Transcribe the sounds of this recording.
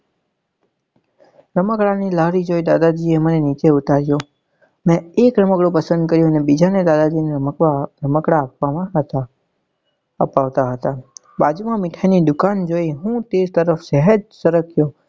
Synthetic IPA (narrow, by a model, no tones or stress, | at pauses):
ɾəməkɭanilaɾid͡ʒojd̪ad̪ad͡ʒiemənenit͡ʃeʊt̪aɾjõ | mɛ̃ekɾəməkɽopəsə̃nd̪̚kəɾjõənebid͡ʒaned̪ad̪ad͡ʒineaɾəməkɽaːpaãt̪ | əpaʋt̪aɦət̪a | bad͡ʒumãmɪʈʰajnid̪ʊkand͡ʒoiɦũt̪ed͡ʒt̪əɾəfsɛɦəd͡ʒsəɾəkʰjo